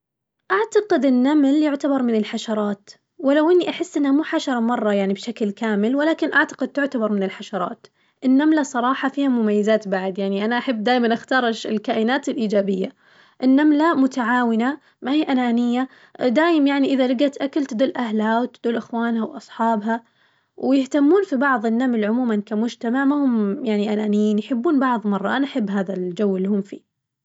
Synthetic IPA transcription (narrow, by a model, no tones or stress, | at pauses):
ʔaʕt̪ɑqɪd̪ɪnːamljʊʕt̪abɑɾˤmɪnɪlħaʃɑɾˤɑːt̪ | wɪlawʔɪnːiʔaħɪsːʔɪnːhamuːħaʃɑɾˤɑmɑrˤːɑjaʕnibʃaklkaːmɪlwɪlaːkɪnʔaʕt̪ḁqɪd̪̚t̪ʊʕt̪abɑɾˤmɪnɪlħaʃɑɾˤɑ̰ːt̪ | ʔɪnːamlasˤɑɾˤɑːħɑfiːhamʊmajːazaːt̪baʕd̪jaʕniʔanaʔaħabːd̪aːjmanʔaxt̪ɑːɾˤɪʃɪlkaːʔɪnaːt̪ɪlʔiːd͡ʒaːbɪjːa | ʔɪnːamlamʊt̪aʕaːwɪna | mahiːʔanaːnɪjːa | d̪aːjɪmjaʕniʔɪðalɪɡat̪ʔakalt̪ɪd̪ɪlʔahlawt̪ɪd̪uːlʔɪxwaːnhawʔɑsˤħɑːbɦa | wjɪht̪amːuːnfibɑʕðˤɪnːamlʕʊmuːmankamʊd͡ʒt̪amaʕmahʊmjaʕniʔanaːnɪjiːnjħɪbːuːnbɑʕðˤmɑrˤːɑʔanaʔaħɪbːɦaːðald͡ʒawːɪlːihʊmfḭː